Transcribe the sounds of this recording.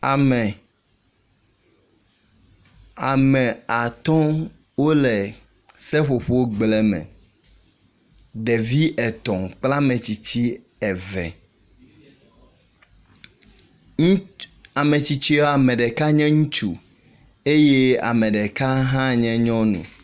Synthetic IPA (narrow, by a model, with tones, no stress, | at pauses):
a˨mɛ˨ | a˨mɛ̃˨a˨t̪ɔ̃˦ | wo˦lɛ˨ | sɛ˦ɸo˨ɸo˦wo˦ɡ͡blɛ˦mɛ̰̃˨ | ɖɛ˨vi˦ʔɛ˨t̪ɔ̃˨k͡pla˦mɛ̃˨t͡ɕi˨t͡ɕi˦ | ɛ˨vɛ̰˨˦ | a˨mɛ̃˨t͡ɕi˦t͡ɕi˦a˨mɛ̃˨ɖɛ˨ka˦ɲɛ̃˦ŋũ˦t͡ʃu˨ | e˦je˦a̰˨mɛ̃˨ɖɛ˨ka˦ɦã˦ɲɛ̃˦ɲɔ̃˦nṵ̃˨